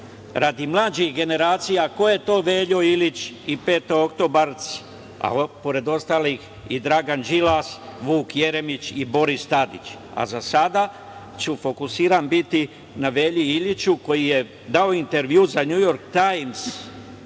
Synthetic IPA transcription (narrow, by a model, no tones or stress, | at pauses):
ɾad̪imlˠaːd͡ʑixɡe̞ne̞ɾaːt̪sijako̞je̞t̪o̞ːʋeːʎo̞ilit͡ɕipe̞ːt̪ookt̪o̞baɾt̪s | a̰po̞ɾe̞d̪o̞st̪alix | id̪ɾaɡand͡ʒilasʋuːkje̞ɾe̞mit͡ɕibo̞ɾist̪ad̪ḭt͡ɕ | a̰zasad̪a | t͡ʃufo̞kusiːɾanbit̪i | naʋe̞ːʎiiʎit͡ɕuko̞jije̞ | d̪ao̞int̪e̞ɾʋjuːzaɲujo̞ɾkt̪ajmz̥